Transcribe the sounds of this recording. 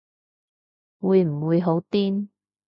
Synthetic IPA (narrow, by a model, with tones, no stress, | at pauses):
wuː˨˧jm̩˨˩wuː˨˧jɦo˨˥wt̪iː˥n